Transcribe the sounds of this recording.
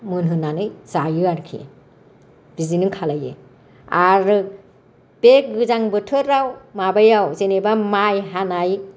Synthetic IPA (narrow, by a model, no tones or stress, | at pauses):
mɯnɦɯnanɯjzajɯaɾkʰḭ | b̥izinɯŋkʰalajḛ | aɾɯ | b̥eɡɯzaŋbɯtʰɯɾːawmabajawzenebamajɦanaj